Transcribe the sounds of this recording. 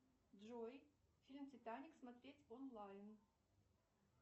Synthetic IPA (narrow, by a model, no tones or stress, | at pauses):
d̪ʐojfʲilʲmt͡sʲɪt̪anʲɪksmɐt̪ɾʲetʲonlˠajn